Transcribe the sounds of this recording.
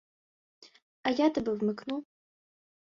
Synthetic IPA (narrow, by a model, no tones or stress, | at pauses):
ajat̪ɐbɨwmɨknu